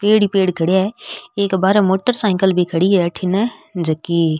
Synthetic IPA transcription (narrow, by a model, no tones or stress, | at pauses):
peːɽipeːɽkʰɐɽijaːeeːkbaːɾãmoːʈəɾsãːɪ̃ŋkəlbʱikʰɐɽiʈʰinəd͡ʒɐkiː